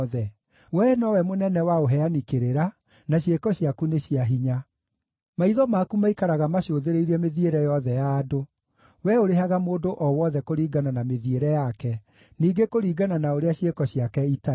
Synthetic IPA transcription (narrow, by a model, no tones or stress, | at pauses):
ðɛ | wɛnɔwɛmonɛnɛwaoɦɛanikeɾeɾa | naɕjekɔɕjakuneɕiaɦiɲa | maiðɔmakumaikaɾaɣamaɕoðeɾeiɾɛmeðieɾɛjɔðɛjaːdo | wɛoɾeɦaɣamoːndoʔɔwɔðɛkoɾiːɡananameðieɾɛjakɛ | niːɡekoɾiːɡananaoɾeaɕjekɔɕiakɛita